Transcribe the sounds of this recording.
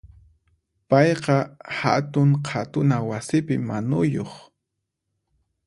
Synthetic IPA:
pɑjqɑha̰t̪ʊŋqʰat̪ʊnawasɪpɪmanʊjoχ

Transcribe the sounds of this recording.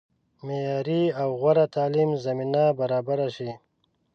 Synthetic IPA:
mejaːɾiawɣwaɾat̪aːlimzɐminabaɾaːbaɾaʃi

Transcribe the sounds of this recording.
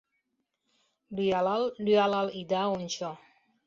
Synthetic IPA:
dualaldualalidaunt͡ʃɔ

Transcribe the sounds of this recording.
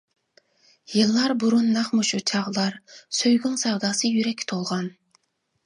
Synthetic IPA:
jɨlˠːɑɾbuɾunːɑχmuʃut͡ʃʰɑʁlˠɑɾsøjɡʲyŋsɛwd̪ɑːsɨjyɾɛkʲʰːt̪ʰolˠʁɑn

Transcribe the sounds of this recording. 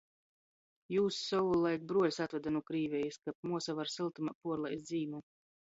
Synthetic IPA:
juːsːɔwulˠajk̚bɾuɔlʲsat̪vad̪anuɔkɾiːvʲɛjiskap̚muɔsavaɾsilˠt̪umapuɔɾlˠajsd̪ziːmʲu

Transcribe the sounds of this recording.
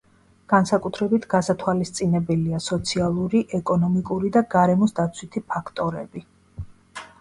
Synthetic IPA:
ɡ̥ansakʼut̪ʰɾɛbit̪ʰɡasat̪ʰwalist̪sʼinɛbɛliasɔt̪sʰialˠuɾiʔɛkʼɔnɔmikʼuɾid̪aɡaɾɛmɔsd̪at̪sʰwit̪ʰipʰakʰt̪ʼɔɾɛbi

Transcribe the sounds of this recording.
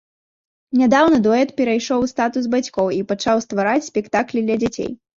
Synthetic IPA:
nʲad̪awnɐd̪ɔɛt̪pʲɛɾajʂɔwst̪at̪uzbat͡sʲkɔwipat͡ʂawst̪vaɾat͡sʲsʲpʲɛkt̪aklʲid̪lʲɐd͡zʲat͡sʲḛj

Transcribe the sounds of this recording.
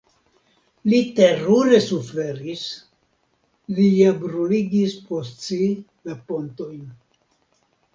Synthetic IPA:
lite̞ɾuɾe̞sufe̞ɾis | liabɾuliɡispost͡si | lapo̞nto̞jn

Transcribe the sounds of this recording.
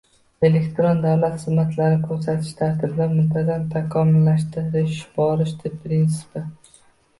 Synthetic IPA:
e̞le̞kʲt̪ɾond̪awlat̪sɨzmat̪ʰlaɾɪɪkʲʰɵɾs̬at̪ʰɪ̥ʃt̪ʰaɾt̪ʰɪblaɾmʊmt̪ʰazant̪ʰakʰɒmɪlːaʃt̪ɪɾɪɪʃbɒɾɪʃd̪epʰːɾins̬ɪ̥pɪ

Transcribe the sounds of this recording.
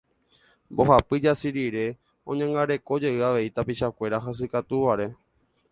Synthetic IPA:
mbo̞ɦapɨd͡ʒasiɾiɾe̞ | õ̰ɲãŋɡaɾe̞ko̞d͡ʒe̞ʔɨaʋe̞it̪apiʃakʷe̞ɾaɦas̬ɨkat̪uʋaɾe̞

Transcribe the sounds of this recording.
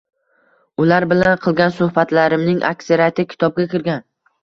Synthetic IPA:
ʊlaɾbɪlanqʰɨlˠɡʲansʊhbat̪laɾɪmnɪŋʔa̰kʲseɾiat̪ʰɪkʲʰɪ̥t̪ʰɒb̚ɡʲakʲɪɾɡʲan

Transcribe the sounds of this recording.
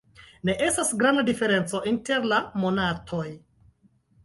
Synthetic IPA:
ne̞ʔe̞stasɡɾandadife̞ɾe̞nt͡so̞ʔinte̞ɾlamo̞natʰo̞j

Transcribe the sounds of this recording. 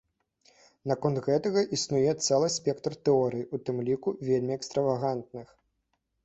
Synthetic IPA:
nakɔnt̪ɣɛt̪ɐɣɐʔisnujɛt̪sɛlˠɨsʲpʲɛkt̪rt̪ɛɔɾɨjiut̪ɨmlʲikuvʲelʲmʲiɛkst̪ɾɐvaɣant̪̚nɨx

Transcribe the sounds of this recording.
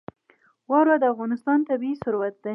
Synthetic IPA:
wɑɾɑd̪əafɣɑnɪst̪ɑnt̪abiisʊɾwat̪̚d̪a

